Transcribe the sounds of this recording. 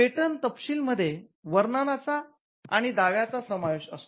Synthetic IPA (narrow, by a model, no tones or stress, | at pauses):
eʈənt̪əpɕiːlməd̪ʱːje | ʋəɾnanat͡sa | a̰ɽ̃id̪aʋjat͡sasəmajeɕəst̪